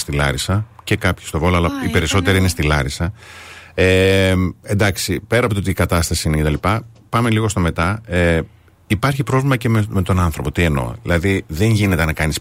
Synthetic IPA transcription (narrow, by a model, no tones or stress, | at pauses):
st̪ilɐ̰ɾisɐce̞kɐpçi̥st̪o̞voloɐlɐipe̞ɾiso̞t̪e̞ɾiinest̪ilɐɾisɐ | e | end̪ɐksipe̞ɾɐpoot̪ikɐt̪ɐst̪ɐsiinece̞t̪ɐlipɐ | pɐme̞liɣo̞st̪o̞me̞t̪ɐe | ipɐɾçipɾo̞vlimɐcemme̞t̪o̞nɐnθɾo̞po̞t̪ie̞no̞̰ilɐðiðe̞ɲʝine̞t̪e̞nɐkɐnis